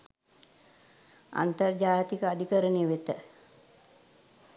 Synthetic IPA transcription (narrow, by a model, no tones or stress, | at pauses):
a̰nt̪ərd͡ʒaːjt̪ikəad̪ʱikəɾənejʋet̪ə